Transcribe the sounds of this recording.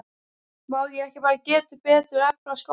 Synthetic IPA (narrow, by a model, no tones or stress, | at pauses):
mawðjɛɣɛhcɪpaːɾacɛːt̪ʏɾpɛːt̪ʏɾɛp̚nasko